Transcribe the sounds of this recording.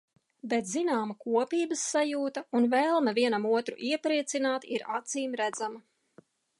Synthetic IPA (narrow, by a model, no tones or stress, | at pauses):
bet̪zinaːmkuɔpiːbəsːajuːt̪ɐunvɛlˠmaviɛnamuɔt̪ɾṵʔiɛpɾiɛt̪sinaːt̪iɾa̰t̪siːmɾæd̪zamɐ